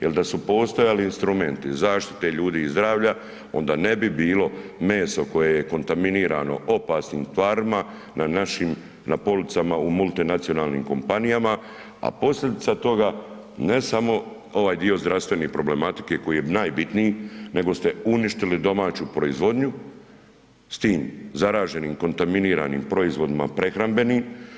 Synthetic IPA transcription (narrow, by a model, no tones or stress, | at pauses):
jeld̪asupo̞ːst̪ojaliinst̪ɾume̞nt̪izaːʃt̪i̥t̪eʎuːd̪iːzd̪ɾaːʋʎa | o̞̰nd̪aːne̞bibiːlo̞me̞ːsoko̞jejeko̞nt̪aminiːɾaːno̞̰ʔo̞paːsniːmt̪ʋaːɾima | nanaʃim | napo̞lit̪samaumulˠt̪inat̪sijo̞naːlˠnḭːmko̞̰mpanijama | a̰po̞sʎʲe̞d̪it̪at̪o̞ɡa | ne̞samo̞ | o̞ʋaːjd̪io̞zd̪ɾaʋst̪ʋe̞neːpɾo̞ble̞mat̪i̥ke̞ko̞jijenaːjbit̪nijine̞ɡo̞st̪e̞uniʃt̪ilid̪o̞maːt͡ɕupɾo̞izʋo̞d̪ɲu | st̪iːmzaɾaːʒe̞niːmko̞nt̪aminiːɾa̰nḭːmpɾo̞izʋo̞d̪ima̰pɾe̞xɾambe̞niːm